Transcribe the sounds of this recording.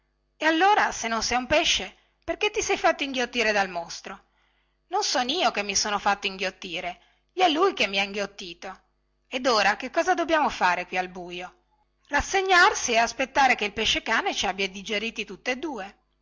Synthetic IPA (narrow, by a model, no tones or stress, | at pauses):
ealːoːɾasenːonsɛjumpɛʃːe | perket̪ːisɛjfat̪ːoiŋɡjot̪ːiːɾed̪almost̪ɾo | nonsɔːniːokemːisoːnofat̪ːoiŋɡjot̪ːiːɾe | ʎiɛlːujkemːiaiŋɡjot̪ːiːt̪o | ed̪oːɾak̟ekːɔːzad̪obːjaːmofaːɾekwialbuːjo | rasːeɲːarsieaspet̪ːaːɾekeilpeʃːekaːnet͡ʃabjad̪id͡ʒeɾiːt̪it̪ut̪ːoed̪ːuːe